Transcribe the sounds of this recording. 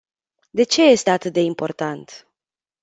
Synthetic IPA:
d̪e̞t͡ʃe̞je̞st̪eat̪ɨt̪̚d̪e̞impo̞rt̪ant̪

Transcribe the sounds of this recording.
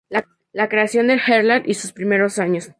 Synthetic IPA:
la | lakɾe̞asjo̞nd̪elxeɾlaɾʔisuspɾime̞ɾo̞saɲo̞s

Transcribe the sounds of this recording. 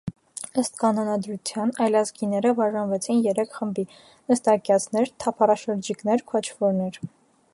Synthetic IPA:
əst̪kɑnɔnɑd̪ɾut͡sʰjɑnɑjlɑzɡinɛɾəbɑʒɑnvɛt͡sʰinjɛɾɛkʰχəmbi | nəst̪ɑkjɑt͡sʰn̪ɛɾt̪ʰɑpʰɑrɑʃəɾd͡ʒiknɛɾkʰɔt͡ʃʰvɔɾnɛɾ

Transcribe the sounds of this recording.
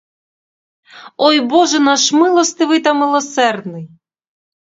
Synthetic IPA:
ɔjbɔʒɛnaʃmɪlˠɔst̪ɨʋɪt̪ɐmɪlˠɔsɛrd̪nɪj

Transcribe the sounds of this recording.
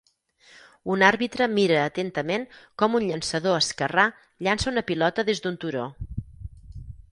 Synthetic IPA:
unaɾβit̪ɾəmiɾəːt̪ent̪əmenkɔmunʎənsəðoəskəra | ʎansəunəpilɔt̪əðezd̪unt̪uɾo

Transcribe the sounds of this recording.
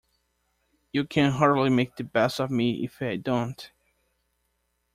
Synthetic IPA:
jɨkʰɨ̃nɦɑɹdˡlimeɪk̚ðɨbɛstʌvmiɪ̰faɪdõʊ̃nt

